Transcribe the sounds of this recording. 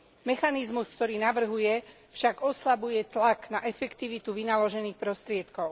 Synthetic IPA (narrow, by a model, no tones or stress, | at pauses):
mɛxanizmuskt̪ɔɾiːnaʋr̩ɦujɛ | fʃaɡɔslabujɛt̪laknaʔɛfɛkt̪iʋit̪uʋinalɔʒɛniːxpɾɔst̪ɾɪɛt̪kɔʊ